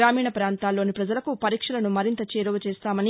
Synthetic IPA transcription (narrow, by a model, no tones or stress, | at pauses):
ɾaːmiːɳɐpɾaːnt̪aːlːo̞ːnipɾɐd͡ʒɐlɐkupɐɾiːkʂɐlɐnumɐɾint̪ɐt͡ʃeːɾɐʋɐt͡ʃeːst̪aːmɐni